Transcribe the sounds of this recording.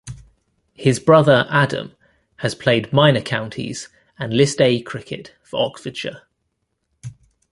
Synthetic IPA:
hɪzbɹʌðəɹʔadə̰̃m | əz̥pʰl̥eɪdmãɪnəkʰãʊ̃ntʰḭz̥ | ə̃nlɪsdeɪkʰɹ̥ɪkʰɪ̰tfəɹɒkfət͡ʃə̰

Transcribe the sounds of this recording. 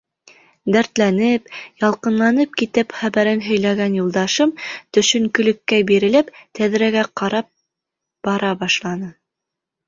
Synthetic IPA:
d̪æɾt̪lænɘpjɑlˠqɤ̆nlˠɑnɤp̚kit̪ɘpχæβæɾɘnɦɵ̆jlæɡænjulˠd̪ɑʃɤmt̪ɵ̆ʃɵ̆ŋkɵ̆lɘ̆kːæbiɾɘ̆læpt̪æðɾæɡæqɑɾɑp̚ | b̥ɑɾɑbɑʃlˠɑnɤ

